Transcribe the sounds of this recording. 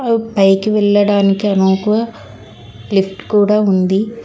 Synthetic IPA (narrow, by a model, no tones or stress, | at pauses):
ɐʋipɐjkiʋɛɭːɐɽaːnikiɐnoːkuʋɐ | lipʰʈkuːɽaːund̪i